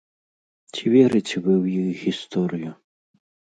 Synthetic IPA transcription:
t͡sʲivʲɛɾɨt͡sʲɛvɨwjixɣʲist̪ɔɾɨju

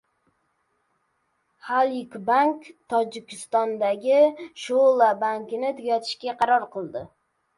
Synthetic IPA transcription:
halˠɪkbaŋkt̪ʰɒd͡ʒɪkʲʰɪst̪ɒnd̪aɡʲɪʃolˠabaŋkʲɪnɪt̪ʰɪɡʲɒt̪ʰɪ̥ʃkʲaqʰɑɾɒɾqɨlˠd̪ɪ

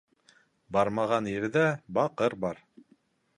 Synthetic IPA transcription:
bɑɾmɑʁɑnjɘ̆ɾðæbɑqɤɾbɑɾ

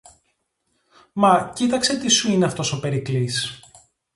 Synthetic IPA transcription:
mɐcit̪ɐkse̞t̪isuineɐft̪o̞so̞pe̞ɾiklis

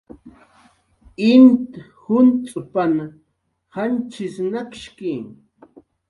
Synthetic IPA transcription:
ɪnt̪ | hʊnt͡sʼʊpana | hant͡ʃɪsnakʃki

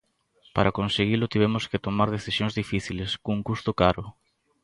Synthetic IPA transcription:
paɾʔakonseɣ̞ilʊt̪iβ̞ɛmʊskɪt̪omaɾð̞eθisjõŋzðifiθileskouŋkust̪ʊkaɾʊ

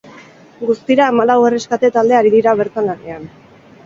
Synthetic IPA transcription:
ɡust̪iɾaemalawere̞skat̪e̞t̪ald̪e̞aɾiðiɾaβ̞e̞ɾt̪anane̞an

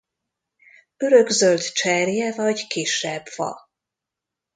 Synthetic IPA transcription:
ø̞ɾøɡzølt̪t͡ʃɛrjɛvɒɟkiʃːɛbfɒ̰

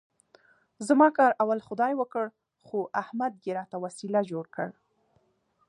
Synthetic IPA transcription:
zmɑkɑɾawalxʊd̪ɑjwəkəɽ | xoʔahmad̪̚ɡeɾɑt̪awasilad͡ʒoɽkəɽ

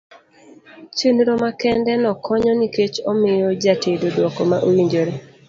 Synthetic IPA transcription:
t͡ʃenɾomakɛndɛnɔkʰɔɲɔniket͡ʃɔmɪjɔd͡ʒatʰedodwɔkomaʔoliɲd͡ʒoɾe

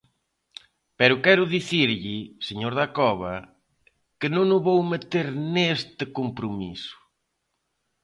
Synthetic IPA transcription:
pɛɾʊkɛɾʊðiθiɾʎɪseɲoɾðakɔβ̞ɐ | kɪnõŋʊβowmet̪eɾnest̪ɪkompɾomḭsʊ̥

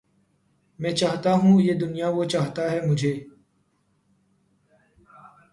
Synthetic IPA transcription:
mɛ̃ːt͡ʃaːɦt̪aːɦũːjeːd̪ʊnijaːʋoːt͡ʃaːɦt̪aːɦɛːmʊd͡ʒʱeː

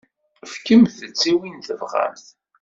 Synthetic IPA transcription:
fkəmθət͡sːiwinθəvʁa̰mθ

